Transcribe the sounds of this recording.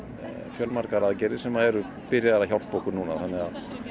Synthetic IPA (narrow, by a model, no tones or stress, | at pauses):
fjœlmaɾ̥kaɾaːðcɛɾɪ̥sɛmaðɛɾʏ | pɪɾjaðaɾaçawl̥t̪pokʏɾnuːnaθanːɪɣað